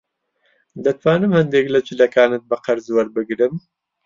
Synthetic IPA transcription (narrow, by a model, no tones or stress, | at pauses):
d̪ɐt̪waːnɨmhɐnd̪eːklɐd͡ʒɪlɐkaːnɨt̪̚bɨqɐɾzwɐɾbɨɡɾɨm